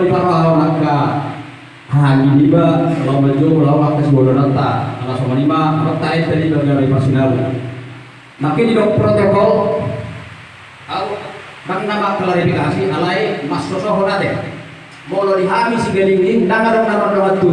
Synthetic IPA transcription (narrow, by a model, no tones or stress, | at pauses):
lipaɾaaɔnakːa | haɦaninibalaumad͡ʒolamakːasibɔdɔnət̪ːa̰aŋasɔmɔnimaɾət̪ːaɛst̪adibaɡabɛparsinalu | makɛdidɔk̚pɾɔt̪ɔkɔl | au | dəŋ̚namaklaɾifikasiʔalaimasːɔsɔɦɔnadɛ | mɔlɔdiɦamisiɡaliŋindaŋadəŋ̚namanaŋat̪u